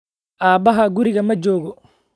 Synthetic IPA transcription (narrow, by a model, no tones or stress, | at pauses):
ʔaːbɐɦɐɡʊɾɪɣɐmɐd͡ʒɔːɣɔ